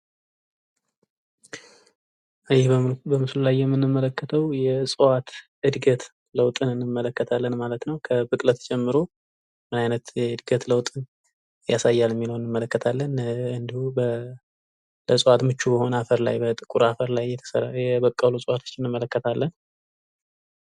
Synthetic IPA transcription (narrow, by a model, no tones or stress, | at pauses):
ʔɨjɛhbəmɨslulajːɛmːɨnːɨmːələkːət̪ʰəwjɛsʼɨwat̪ | ɨd̪ɡət̪ | ləwt̪ʼɨnɨnːɨmːələkːət̪ʰalːənmalət̪nəwkʰəbɨkʼlət̪ʰt͡ʃʼɛmːɨɾo̞ | mɨnajnət̪jɛɨd̪ɡət̪ləwt̪ʼɨn | jasajːalɨmːiləwɨnːɨmːələkːət̪ʰalːənɨnd̪ihubə | ləsʼwat̪mɨt͡ʃːubəho̞nəafəɾla̰jbət̪ʼɨkʼuɾafəɾlajːɛt̪ʰə̥səɾajɛbəkʼːəlosʼwat̪ʰot͡ʃːɪnɨnmːələkːət̪ʰalːən